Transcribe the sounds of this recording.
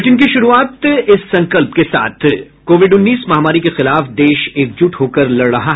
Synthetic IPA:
ɪʈɪnkiʃʊɾuaːt̪ɪsːɐ̃ŋkəlpkesa̰ːt̪ʰ | koːʋɪɖʊnːiːsmɐɦamaːɾikexɪlaːfd̪eːʃeːk̚d͡ʒʊʈɦoːkɐɾlɐɽɽɐɦaɦ

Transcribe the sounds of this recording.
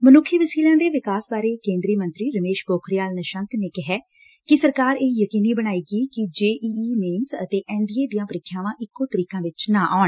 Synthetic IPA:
mənʊkʰːjəʋəsiːlãːd̪eːʋɪkaːsbaːɾeːkẽːnd̪ɾiːmə̃nt̪ɾiːɾəmeːʃboːkʰɾjaːlnəʃə̃nt̪neːkɪɦɛː | kɪsəɾkaːɾeːjəkiːniːbəɽ̃aːiːɡiːkɪd͡ʒeːʔiːneːmsət̪eːʔɛ̃ːɳɖiːeːd̪ijãːpəɾɪkʰːjãːʋãːʔɪkːoːt̪əɾiːkãːʋɪt͡ʃnaːʔaːɳ

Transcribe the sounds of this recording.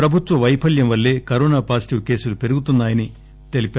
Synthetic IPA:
ɾɐbʱut̪ʋɐʋɐjpʰɐljɐmʋɐlːe̞ːkɐɾɔːnaːpaːsiʈiʋke̞ːsulupe̞ɾuɡut̪unːaːjɐni | t̪e̞lipa

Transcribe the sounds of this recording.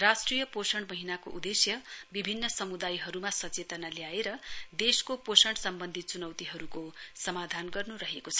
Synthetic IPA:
rasʈrijʌposʌɳ̃mʌɦinako̰ʔud̪esjʌbibʱinːʌsʌmud̪ajɦʌɾumasʌt͡set̪ʌnaljaeɾʌd̪eskoposʌɳʈsʌmbʌnd̪ʱit͡sunʌwt̪iɦʌɾukosʌmad̪ʱanɡʌrnuɾʌɦekot͡sʰʌ

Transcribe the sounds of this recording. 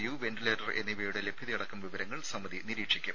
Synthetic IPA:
juːʋenɖileːʈɐre̞̰nːiʋeːuɽele̞bʱjɐðɐjɐɽɐkːɐmʋiʋɐɾɐŋːɐɭsɐmːɐðiniɾiːkʂikʲːum

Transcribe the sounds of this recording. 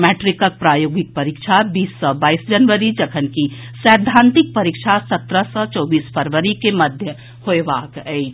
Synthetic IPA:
mɛːʈɾikək̚pɾaːjoːɡɪk̚pəɾikt͡ʃʰabiːsːəbaːisd͡ʒənʋəɾid͡ʒəkʰənkisɛːd̪ʱːãːnt̪ɪk̚pəɾikt͡ʃʰasɐt̪ɾəsət͡ʃɔːbiːspʰəɾʋəɾikeməd̪ʱjə | hoeʋaːkɛ

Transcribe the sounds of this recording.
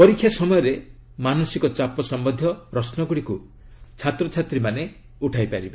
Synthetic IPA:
pɔɾikʰːjasɔmɔjɔɾe | manɔsikɔt͡ʃapɔsɔmbɔnd̪ʱjɔɾɔsnɔɡuɽiku | t͡ʃʰat̪ɾɔt͡ʃʰat̪ɾimane | uʈʰajpaɾiba

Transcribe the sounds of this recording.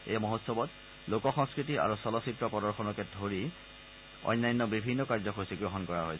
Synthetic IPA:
ḛjamɔɦɔtsɔbɔt | lokɔxɔŋskɹitiʔa̰ɹusɔlɔsitɹɔpɔdɔɹxɔnɔkɛdʱoɹi | ɔ̰jnːajnːɔbibʱinːɔkaɹzɔxosiɡɹoɦɔnkɔɹaɦojsɛ

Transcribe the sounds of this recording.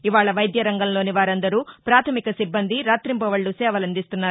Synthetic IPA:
iʋaːɭɐʋɐjd̪jɐɾɐŋɡɐmlo̞ːniʋaːɾɐnd̪ɐɾuːpɾaːt̪ʰɐmikɐsibːɐnd̪iɾaːt̪ɾimpɐʋɐɭːusɛːʋɐlɐnd̪ist̪unːaːɾu

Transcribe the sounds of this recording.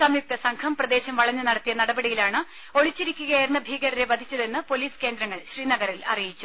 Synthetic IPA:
sɐmjuk̚t̪ɐsɐŋkʰɐmprɐd̪e̞ːɕɐmʋɐɭɐɲːɨnɐɽɐt̪ːijɐnɐɽɐbɐɽijilaːɳɨ | o̞ɭit͡ɕːiɾikʲːuɣɐjiɾnːɐbʱiːɡɐɾɾebɐd̪ʱit͡ɕːɐðe̞nːɨpo̞liːske̞ːnd̪ɾɐŋːɐɭɕriːnɐɡɐrilɐ̰rijit͡ɕːu̥

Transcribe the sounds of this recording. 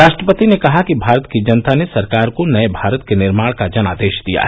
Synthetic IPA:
ɾaːʃʈɾəpət̪inekɐɦakibʱaːɾət̪kid͡ʒɐnt̪anesɐɾkaːɾkonɐebʱaːɾət̪kenɪɾmaːɽkad͡ʒɐna̰ːd̪eːʃd̪ija̰ːɦɛ

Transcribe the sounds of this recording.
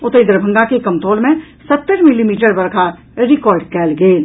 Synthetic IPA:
ʊt̪əɪd̪ɾəbʱə̃ŋɡakekɐmt̪ʰoːlmẽ | sɐt̪ːəɾmɪlimiːʈəɾbɐɾkʰaː | ɾɪkɔːɾɖkɛːlɡeeː

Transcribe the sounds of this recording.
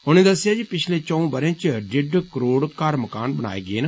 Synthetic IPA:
ɦʊñẽːd̪əsːɪjaːd͡ʒiːpɪt͡ʃʰleːt͡ʃɔ̃ũːbəɾãt͡ʃɖɪɖkəɾoːɽkaːɾməka̰ːnbəña̰ːḛːɡɪeːn

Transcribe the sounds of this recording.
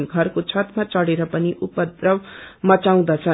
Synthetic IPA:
nɡʱʌrkot͡sʰʌt̪mat͡sʌɽeɾʌpʌniʔupʌd̪rʌbmʌt͡saw̃d̪at͡sʰʌ

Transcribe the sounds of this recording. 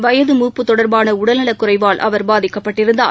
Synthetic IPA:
ʋɐjɐðɯmuːpːɯt̪ːɔɽɐɾbaːnɐʊɽɐlnɐɭɐkːʊrɐɪʋaːlʔɐ̰ʋɐɾbaːðɪkːɐpːɐʈːɪɾɯnd̪a̰ː

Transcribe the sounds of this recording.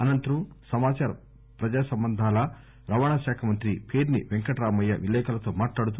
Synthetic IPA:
ɐnɐnt̪ɐɾusɐmaːt͡ʃaːɾɐ | pɾɐd͡ʒaːsɐmbɐnd̪ʱaːlɐ | ɾɐʋaːɳaʃaːkʰɐmɐnt̪ɾipʰeːɾniʋeŋkɐʈɾaːmɐjːɐ̰ʋilɛːkʰɐlɐt̪o̞ːmaːʈlaːɽut̪u

